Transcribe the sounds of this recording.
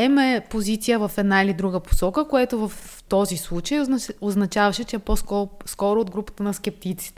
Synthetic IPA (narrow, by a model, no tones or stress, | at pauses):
ɛmɛpozit̪sijəvɐfɛd̪nailid̪ɾuɡəpo̥sɔkəkoɛt̪ovɐft̪ɔzislˠut͡ʃəjoznɐt͡ʃavɐʃɛt͡ʃɛɛposɔskɔɾood̪̚ɡɾupə̥t̪ənɐsk̟ɛp̚t̪it̪si̥t̪ɛ